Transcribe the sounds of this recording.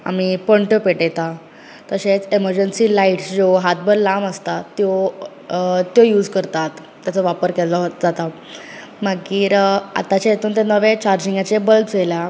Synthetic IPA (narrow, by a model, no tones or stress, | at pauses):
a̰mipəɳʈəpeʈet̪a | t̪əɕẽt͡seməɾd͡ʑənsiːlaiʈsd͡ʑoɦat̪̚bəɾlaməst̪at̪jo | t̪jojuːd͡zkəɾt̪at̪ | t̪ːjat͡sɔʋapəɾkɛlɔd͡zat̪a | maɡiːɾa̰t̪at͡ɕajet̪uːnt̪anəʋet͡ɕaɾd͡ʑiŋɡat͡ɕebəltd͡zela